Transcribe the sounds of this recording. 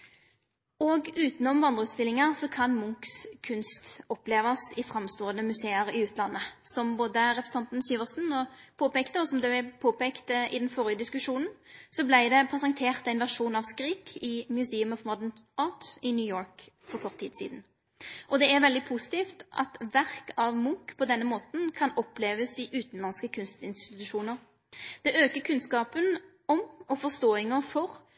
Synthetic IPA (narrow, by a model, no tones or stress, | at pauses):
ɔɡʉːt̪nɔmʋɑnd̪ʁəʉt̪st̪ɪlːɪŋəʁsɔkʰɑnmʊŋkskʰʉnst̪ɔpleːʋɑsɪfɾɑmst̪oːənəmʉseːəɾɪʉːt̪lɑnːəsɔmboːd̪əɾɛpɾɛsɑnt̪n̩syːʋəʁsn̩ɔpʰoːpeːkt̪əɔsɔmd̪ʉæpʰoːpeːkt̪əɪ̰d̪ɛnfɔʁɪəd̪ɪskʉʂuːnn̩sɔblæɪd̪ɛpʰʁɛsɑŋt̪ʰeːʁt̪æɪnʋæʁʂuːnɑʋskɾiːkʰɪmjʉseːʉmɔʋmɔd̪ənʔɑːt̪ɪnjʉːjoːɹk | fɔʁkʰɔʁt̪ʰːiːd̪sḭːd̪n̩ | ʔɔd̪ɛæʁʋɛld̪ɪpʰusɪ̥t̪iːft̪ʔɑ̰t̪ʋæʁkɑʋmuːkpʰɔd̪ɛnːəmoːt̪n̩kʰɑnɔpleːʋəsɪʔʉːt̪n̩lɑnskəkʰʉnst̪ɪnst̪ɪt̪ʉʃuːnəʁ | d̪̥ɛʔøːkəkʰʉnskɑːpən | ɔmɔfɔʁst̪oːɪŋəfɔʁ